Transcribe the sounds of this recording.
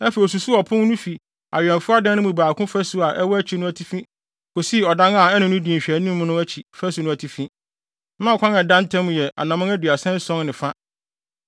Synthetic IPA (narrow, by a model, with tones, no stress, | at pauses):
ɛ˦fɛ˨i˨s̬u˨su˦ɔ˨pʰʊ̃˦ŋ˦nʊ̃˦fi˨ | a̰˨ɥᶣɛ̃˨nfʊ˦a˦dã˦nɪ̃˦mũ˨baː˨kʰʊ̃˦fæ˦su˦a˨ʔɛ˦wɔ˦æ˦t͡ɕʰi˨nʊ̃˦æ˨tʰi˦fĩ˦ | kʰo˨si˦˨ɔ˨dã˦na˨ɛ˦nʊ̃˦nʊ̃˦dĩ˨ɕᶣæ˨nĩ˦m̃ː˦nʊ̃˦æ˦t͡ɕʰi˨fæ˦su˨nʊ̃˦æ˨tʰi˨fĩ˦ | nã˦ɔ˨kʰʷã˦nɛ̃˨dã˦n˦tʰɛ̃˦m̃˨jɛ˨ʔa̰˨nã˨mã˦æ˦dɥa˨sɛ̃˦n˦sɔ̃˦ŋnɪ̃˨fa˦